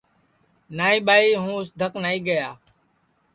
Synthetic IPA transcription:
naːĩːɓaːiːɦũːɪsd̪ʱəknaːiːɡəjaː

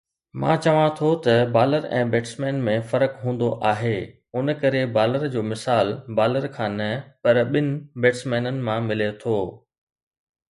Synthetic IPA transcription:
mã̰ːt͡ɕɐʋãt̪ʰot̪ɐbaːləɾɛ̰̃ːbeːʈsmɛ̃ːnmẽfɐɾəkɦũːn̆d̪oʔaːɦeː | ʊn̆kɐɾebaːləɾd͡ʑoːmɪsaːlbaːləɾkʰãːnɐpɐɾɓɪnɪ̆beːʈsmɛ̃ːnənɪ̆mãmɪlet̪ʰoː

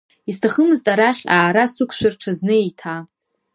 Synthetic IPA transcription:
istʰaχəmɨztʼaɾaχʲaːɾasɨkʷʰʃʷᶣarʈ͡ʂʰaznɨejtʰa

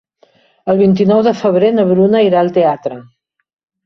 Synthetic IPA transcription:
əlˠβ̞int̪̬inɔwðəfəβ̞ɾenəβɾunəiɾaəlˠt̪eat̪ɾə

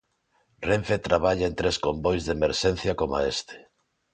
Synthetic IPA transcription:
reɱfet̪ɾaβaʎaent̪ɾeskombojzðemeɾʃen̟θjɐkoma̰est̪e̥

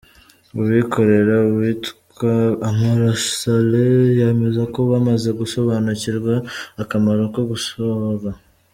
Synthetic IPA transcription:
uβwiko̞ɾe̞ɾauβwitkamaɾasalejeme̞zako̞βamaze̞ɡuso̞βanuciɾɡwaːkamaɾokoɡusoɾa

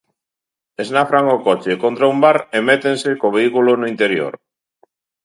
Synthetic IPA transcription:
eznafɾaŋokot͡ʃekont̪ɾaumbaɾemet̪ensekoβeikulonoint̪eɾjo̰ɾ

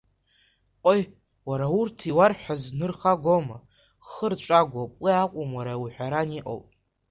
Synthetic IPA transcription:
qʷʼoj | waɾaurtʰiwarħʷᶣaznɨrχaɡʷoma | χərt͡ʃʷʼaɡʷapʼiaqʷʼʊmwaɾawuħʷᶣaɾaniʔʼo̰wpʼ

